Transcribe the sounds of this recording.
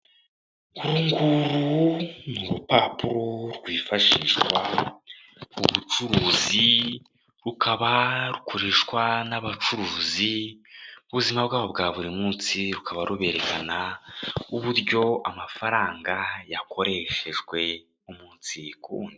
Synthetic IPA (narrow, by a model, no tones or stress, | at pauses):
uɾuŋɡuɾunuɾupapuɾoɾɡwiːfaʃiːʃwa | uβut͡ʃuɾuːzi | ɾukaβaɾukuɾiːʃkwanaβat͡ʃuɾuːzi | uβuzimabɡaːβobɡaːβuɾimuːnt͡siɾukaβaɾuβe̞ɾe̞kana | uβuɾɟo̞amafaɾaːŋɡajakʰo̞ɾe̞ʃe̞ʒwe̞ | umuːnsikuːndi